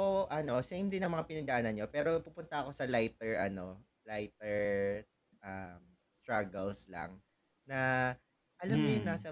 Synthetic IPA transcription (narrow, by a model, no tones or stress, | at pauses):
oʔɐno̞sejmd̪ɪnɐŋmɐŋapɪnɐd̪ɐʔaːnɐnɲopɛːɾo̞pupʊnt̪ɐɐko̞sɐlajt̪ɛɹɐno̞ | lajt̪ɛɹ | ʔɐm | st̪ɹaɡɐlslɐ̰ŋ | nɐ | ʔɐlɐmːojʊnːasɐ